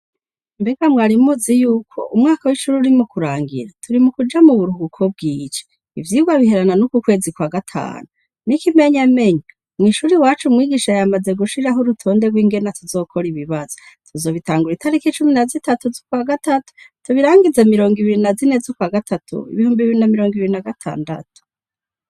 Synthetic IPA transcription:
mbe̞ɡamŋaːɾimuzijuːkʰo̞̰ʔumŋaːkawiʃuɾuɾimukuɾaːŋɡḭɾatʰuɾimukud͡ʒamuβuɾuhukʰo̞b̚ɡiːt͡ʃe̥ | ḭvjiːɡwaβihe̞ɾananukukwe̞ːzikwaːɡatʰa̰ːnu | nikime̞ɲame̞ɲa | mŋiːʃuɾiwaːt͡ʃumŋiːɡiʃajamaze̞ɡuʃiɾaɦoɾutʰo̞ːnde̞ɡwiːŋɡe̞natʰuzo̞ːkʰo̞ɾiβiβaz̥otʰuzo̞ːβitaːŋɡuɾitaɾikit͡ʃuminazitatuzokwaːɡatatu̥tuβiɾaːŋɡizamiɾo̞ːŋɡiβiɾinazinezokwaːɡatʰatʰṵḭβihuːmbiβiɾinamiɾo̞ːŋɡiβiɾinaɡatʰa̰ːnda̰tu̥

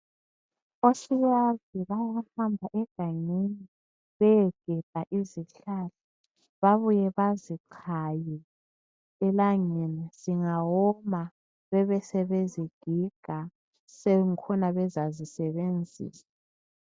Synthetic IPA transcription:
osiwaviβawahambʱaʔɛɡ̥ʱaŋeni | βɛjɛɡ̥ʱɛb̥ʱaʔiziɬala | βaβujɛβaziǃʰajɛ | ɛlaŋɛnaz̥iŋawɔma | βɛβɛsɛβeziɡ̥ʱiɡ̥ʱa | sɛŋkʰɔnaβɛzazisɛβend͡zʱḭːsa

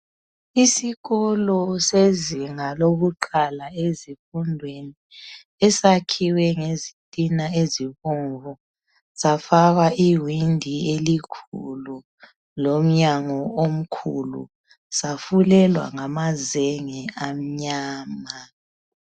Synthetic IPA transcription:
isiɣɔlɔseziŋaloɣuǃʰalaezifundʱweni | ɛsakʰiwɛŋezitʼinaeziβuŋvɔ | safaɣaʔiwindʱielikʰṵlu | lom̩ɲaŋɔom̩kʰṵlṵ | safulɛlwa̰ŋamazɛŋɛam̩ɲaːma

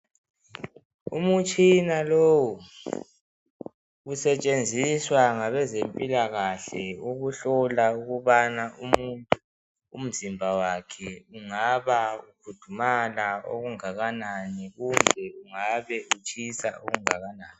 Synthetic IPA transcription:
umut͡ʃʼinalowɔ | usɛt͡ʃʼend͡zʱiswaŋaβɛzempʼilaɣaɬɛuɣuɬɔlauɣuβanaumuntʼṵː | m̩zimbʱawakʰɛuŋaβaukʰud̥ʱumalao̰ɣuŋaɣananiɣumbʱɛuŋaβɛut͡ʃʼʰisaoɣuŋaɣanaːni

